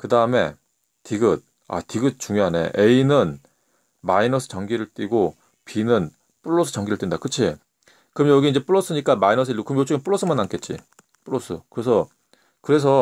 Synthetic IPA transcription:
kɯdaɯme̞̰ | tiɡɯt̚ | a̰tiɡɯt̚t͡ɕuŋjoɦane̞̰ʔeinɯn | mainʌsʰɯ̥t͡ɕʌŋɡiɾɯɭt͈ʼwiɡo | pinɯn | p͈uɭːosʰɯ̥t͡ɕʌŋɡiɾɯɭt͈windakɯt͡ɕʰi | kɯmjʌɡiːnd͡ʑe̞p͈uɭːos͈ʰɯɲik͈amainʌs̬ʰɯkɯmjot͡ɕ͈oɡenp͈uɭːosʰɯmanːank͈e̞t̚t͡ɕ͈ḭ | p͈uɾosʰɯkɯɾes̬ʰʌ | kɯɾe̞s̬ʰʌ

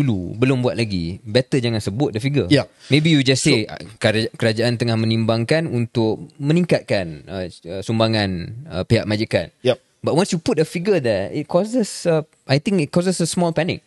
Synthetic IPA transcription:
ulubəlʊmbuat̪̚laɡibɛt̪əd͡ʒaŋãnsəbʊt̪̚dəfiɡəmẽbijud͡ʒasːḛkkəɾad͡ʒaʔant̪əŋahmə̃nimbaŋkanunt̪ʊk̚mə̃niŋkat̪̚kanəəsumbaŋãnəpiɦaʔ̚mad͡ʒikan | bat̚wãnsjuput̚əfiɡəd̪ɛɪt̚kʰɔsəsə | ajt̪ĩŋkɪt̚kɔsəsəsmɔlpɛnɪ̰k̚

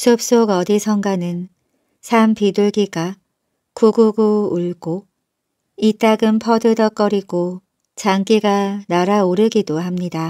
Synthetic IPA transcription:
sʰup̚s͈oɡʌdisʰʌŋɡanɯn | sʰampiduɭɡiɡa | kuɡuɡuuɭɡo | it͈aɡɯmpʰʌdɯdʌk͈ʌɾiɡo | t͡ɕaŋk͈iɡanaɾaoɾɯɡidoɦamɲida

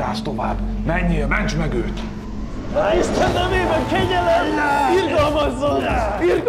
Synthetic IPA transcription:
aːst̪o̞va̰ːbmɛɲːiɛmɛnt͡ʃmɛɡøːt̪ | iʃt̪ɛnːɛveːbɛŋkɛɟɛlɛmirɡɒlmɒzːonir

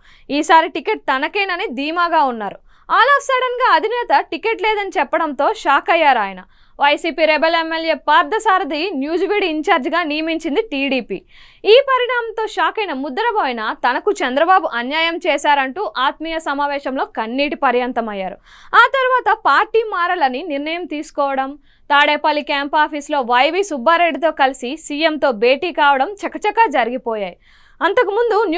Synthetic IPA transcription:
iːsaːɾiʈikeʈ̚t̪ɐnɐkɐjnɐned̪iːmaːɡaːunːaːɾu | aːlaːfsɐɽɐnɡaːɐd̪ʱinɛːt̪ɐʈikeːʈlɛːd̪ɐnit͡ʃɛpːɐɽɐnt̪o̞ːʃaːkɐjːaːɾaːjɐnɐ̰ | ʋɐjsiːpiːɾɛbelemːelje̞ːpaːɾd̪ʱɐsaːɾɐd̪injuːd͡ʒʋiɽiːɲt͡ʃaːɾd͡ʒɡaːnijɐmiɲt͡ʃind̪iʈiːɽiːpḭː | iːpɐɾiɳaːmɐmt̪o̞ːʃaːkɐjnɐmud̪ːɐɾɐboːjinɐt̪ɐnɐkut͡ʃɛnd̪ɾɐbaːbuʔɐnjaːjɐmt͡ʃɛːʃaːɾɐɳʈuːʔaːt̪mijɐsɐmaːʋɛːʃɐmlo̞ːkɐnːiːʈipɐɾjɐnt̪ɐmɐjːaːɾṵ | aːt̪ɐɾuʋaːt̪ɐpaːɾʈiːmaːɾɐlɐniniɾnɐjɐmt̪iːsu̥kɔːʋɐɽɐm | t̪aːɽeːpɐlːikaːmpaːpʰislo̞ːʋɐjʋiːsubːaːɾe̞ɖːit̪̬o̞ːkɐlisisiːemt̪o̞ːbeːʈiːkaːʋɐɽɐmt͡ʃɛkːɐt͡ʃɛkːaːd͡ʒɐɾiɡipɔːjaːji | ɐnt̪ɐkumund̪un

